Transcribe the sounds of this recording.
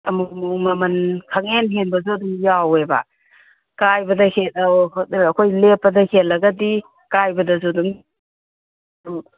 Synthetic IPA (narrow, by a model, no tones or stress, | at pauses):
ɐmumɐmɐnkʰɐŋenɦenbɐzuɐduŋjaweba̰ | kajbɐdɐhetɐɐkʰojlepːɐdɐhelːɐɡɐdi | kajbɐdɐzuduŋ | duŋ